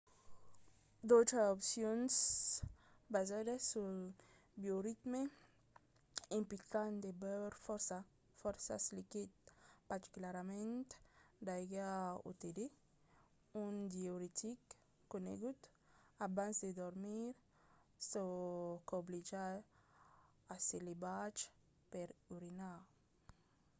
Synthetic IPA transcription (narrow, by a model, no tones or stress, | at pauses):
d̪ot̪ɾaopsjons | bazad̪asu | bjoɾit̪me | ĩmpikand̪ebeɾfɔɾsa | fɔɾsa̰slikit̪̚paɾt̪i̥kulaɾamẽnt̪d̪ajɡao̰t̪ed̪e | und̪jioɾit̪ʰik | kːonḛɡud̪ | abansd̪ed̪ɔɾmiɾ | sokoblid͡ʒa | aselebat͡ʃ | peɾuɾina